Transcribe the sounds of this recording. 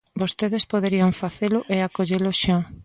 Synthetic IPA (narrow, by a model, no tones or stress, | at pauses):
bost̪eðespoðeɾiaŋfaθelʊʔeakoʎelʊʃa